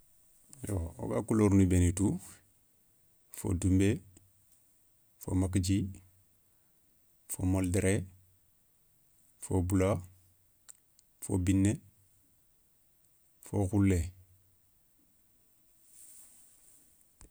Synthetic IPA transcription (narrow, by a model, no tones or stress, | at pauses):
joo̰ɡa̰kuloɾnubenitu | fo̰dumbe | fo̰makid͡ʒi | fo̰moldeɾe | fobula | fo̰binːe | foxulːe